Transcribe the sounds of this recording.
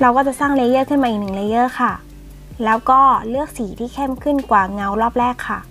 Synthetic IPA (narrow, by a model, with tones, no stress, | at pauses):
ɾa˧wkaː˥˩t͡ɕa˨˩ʔsaː˥˩ŋle˧˦jɤː˥˩kʰɯ˥˩nma˧ʔi˨˩k̚nɯ˨˩k̚le˧˦jɤː˧˥˩kʰa˥˩ | lɛː˦˥wkɔː˥˩lɯ˥˩ək̚siː˩˦t̪ʰiː˥˩kʰɛ˥˩˨mkʰɯ˥˩nkwaː˨˩ŋa˧˥wɾɔː˥˩p̚ɾɛː˥˩kʰːa˥˩